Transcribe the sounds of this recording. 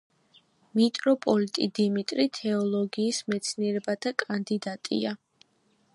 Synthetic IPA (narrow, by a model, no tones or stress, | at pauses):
mit̪ʼɾɔpʼɔlit̪ʼid̪imit̪ʼɾit̪ʰɛɔlˠɔɡiːsmɛt̪sʰniɛɾɛbad̪̥akʼand̪id̪at̪ʼḭa